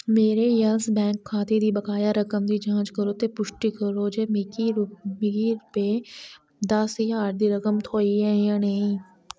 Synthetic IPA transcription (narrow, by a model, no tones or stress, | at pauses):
meːɾeɐlsbɛ̃ːŋkʰːaːt̪ed̪ʱibɐkaːjaɾɐkəmd̪id͡ʒãːt͡ʃkəɾot̪epʊʃʈikəɾod͡ʒeːmːɡimɪɡiɾpe | d̪asiaːɾd̪iɾɐkəmt̪ʰoːiɦɛ̃jãnɐɦĩː